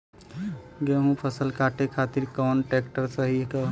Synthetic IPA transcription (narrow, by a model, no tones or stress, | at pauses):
ɡeɦũpʰəsəlkʰaːʈ̪ekʰaːt̪iɾkɔːnʈeːkʈəɾsəɦikə